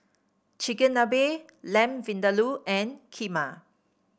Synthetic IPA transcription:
t͡ʃikə̃nːabe | lɛ̃mvĩndaluʔɛ̃nkʰima

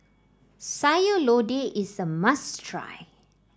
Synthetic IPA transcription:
sajolodeʔisəmastʰɹa̰j

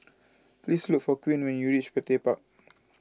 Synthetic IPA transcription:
plisluk̚fɔkwĩnwɛ̃njuɹit͡ʃpɛtepak̚

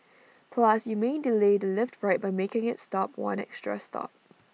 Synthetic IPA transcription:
pʰlʌsjumẽndiledəlɪftfɹaɪt̚b̥aɪmekɪ̃ŋɪtstɔp̚ʰwã̰nɛ̰kstɹə̰stʰɔ̰p̚

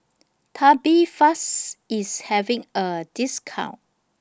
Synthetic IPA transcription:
tʰabifasishɛvĩŋədiskʰã̰w̃n

